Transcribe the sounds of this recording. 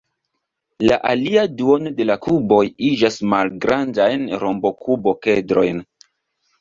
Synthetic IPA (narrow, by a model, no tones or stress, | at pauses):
laʔaliaduonode̞lakubo̞jid͡ʒasmalɡɾʔandajnɾo̞mbo̞kʰubo̞kedɾo̞̰jn